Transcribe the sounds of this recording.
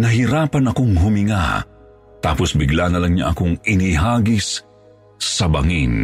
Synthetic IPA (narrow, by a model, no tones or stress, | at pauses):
nɐɦiɾaːpɐnɐkoŋɦʊmɪŋa̰ | t̪a̰ːposbɪɡlanɐlɐŋɲa̰ʔɐkoŋɪniɦaːɡɪsː | ɐbɐ̰ŋin